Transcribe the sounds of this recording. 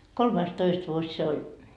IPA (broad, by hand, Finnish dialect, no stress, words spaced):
kolmɑistoist ʋuosʲ se olʲ